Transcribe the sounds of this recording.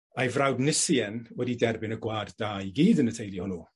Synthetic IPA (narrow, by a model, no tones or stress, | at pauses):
ajvrawdnɪsiɛnwɛdidɛrbɪnəɡwaːdd̥aːjɡiːdənətʰejlˠihʊnu